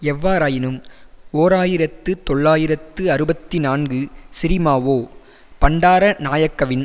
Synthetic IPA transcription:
ɛʋːaːɾaːjɪnɯmoːɾaːjɪɾɐt̪ːɯt̪ɔɭːaːjɪɾɐt̪ːɯɐɾɯbɐt̪ːinaːnɡɯsɪɾɪmaːʋoː | pɐɳɖaːɾɐnaːjɐkːɐʋɪn

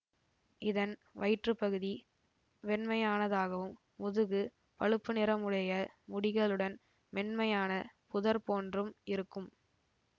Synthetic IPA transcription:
ʔɪðɐnʋɐɪʈrɯpɐɣɯði | ʋɛnmɐjaːnɐðaːɣɐʋɯmːʊðɯɣɯ | pɐɻɯpːɯnɪɾɐmɯɽɐjɐmʊɽɪɣɐɭɯɽɐn | mɛnmɐjaːnɐpʊðɐɾpoːndrɯmɪɾɯkːɯm

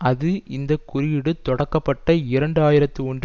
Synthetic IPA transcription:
ɐðɯɪnd̪ɐkʊɾɪjɪɽɯt̪ɔɽɐkːɐpːɐʈːɐɪɾɐɳɖɯaːjɪɾɐt̪ːɯɔɳd

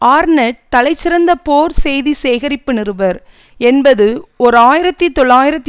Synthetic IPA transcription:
aːɾnɐʈ̚t̪ːɐlɐɪt͡ʃːɪɾɐnd̪ɐpoːɾsɛjðiseːɣɐɾɪpːɯnɪɾɯʋɐɾ | ɛnbɐðɯɔɾɯaːjɪɾɐt̪ːɯt̪ːɔɭːaːjɪɾɐt̪ː

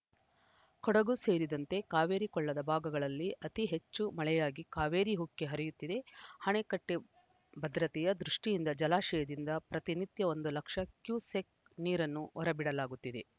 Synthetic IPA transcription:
kɔɽɐɡuse̞ːɾid̪ɐnt̪e̞kaːʋe̞ːɾikɔɭːɐd̪ɐbʱaːɡɐɡɐɭɐlːiʔɐt̪iɦe̞t͡ʃːumɐɭɛjaːɡikaːʋeːɾiɦukːe̞ɦɐɾijut̪ːid̪e̞hɐɳekɐʈːe | bɐd̪ɾɐt̪ijɐd̪ɾuʂʈijind̪ɐd͡ʒɐlaːʃɛjɐd̪ind̪ɐpɾɐt̪init̪jɐo̞nd̪ulɐkʂɐkjuːsek̚ | niːɾɐnːuɔɾɐbiɽɐlaːɡut̪ːid̪e̞

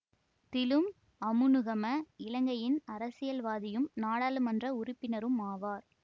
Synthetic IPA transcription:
t̪ɪlɯm | ɐmɯnɯɣɐmɐɪlɐŋɡɐjɪnɐɾɐsɪjɐlʋaːðɪjɯmnaːɽaːlɯmɐndrɐʊɾɪpːɪnɐɾɯmaːʋaːɾ

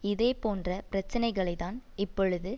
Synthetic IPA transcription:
ɪðeːpoːndrɐpɪɾɐt͡ʃːɐnɐɪɣɐɭɐɪt̪aːnɪpːɔɻɯðɯ

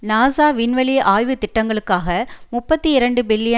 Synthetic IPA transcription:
naːsaːʋɪnʋɐɭiʔaːjʋɯt̪ːɪʈːɐŋɡɐɭɯkːaːɣɐmʊpːɐt̪ːiɪɾɐɳɖɯbɪlːɪjɐ

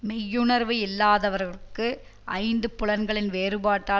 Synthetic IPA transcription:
mɛjːɯnɐɾʋɯɪlːaːðɐʋɐɾɣɐɭɯkːɯ | ʔɐ̰ɪnd̪ɯpʊɭɐnɡɐɭɪnʋeːɾɯbaːʈːaː

